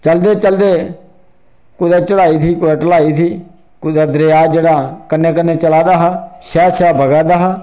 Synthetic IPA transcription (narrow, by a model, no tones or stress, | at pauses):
t͡ʃəld̪eːt͡ʃəld̪eː | kʊd̪aːt͡ʃəɽaːiːt̪ʰiːkʊaːʈəlaːiːt̪ʰiː | kʊd̪aːd̪ɾeːaːd͡ʒeːɽaːkənːeːk̬ənːeːt͡ʃəlaːd̪aːɦaːʃɛːʃɛːbəɡaːd̪aːɦaː